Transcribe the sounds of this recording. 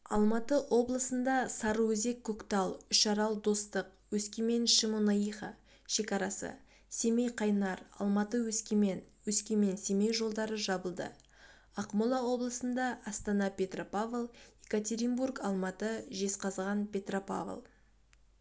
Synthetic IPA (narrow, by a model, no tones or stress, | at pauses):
ɑ̰lˠmɑt̪əʔwʔo̞blˠəsənd̪ɑsɑɾəwɵze̞kʰːokt̪ɑlˠʏʃɑɾɑlˠd̪o̞st̪əq | wɵskʲeme̞nʃəmonɑiχɑ̰ | ʃe̞kɑɾɑsə̰ | se̞mejqʰɑjnɑɾɑ̰lˠmɑt̪əwɵskʲeme̞nwɵskʲeme̞nse̞me̞jʒo̞lˠd̪ɑɾəʒɑbəlˠd̪ə̰ | ɑqmolˠɑwo̞blˠəsənd̪ɑɑst̪ɑnɑpʲe̞t̪ropavlˠekat̪ʲe̞ɾʲimbuɾkɑlˠmɑt̪əʒe̞sqʰɑzʁɑnpʲʰe̞t̪ropa̰v̰lˠ